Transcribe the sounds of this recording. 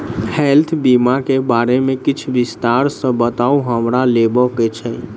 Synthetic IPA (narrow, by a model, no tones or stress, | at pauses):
helt̪ʰbimakebaɾemekit͡ʃʰʋist̪aɾsə̃bət̪auɦəmɾalebɔket͡ʃʰɛ